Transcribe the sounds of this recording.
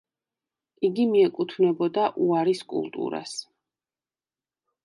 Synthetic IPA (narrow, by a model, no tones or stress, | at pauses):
iɡimiɛkʼut̪ʰvnɛbɔd̪aʔuaɾiskʼṵlˠt̪ʼṵɾa̰s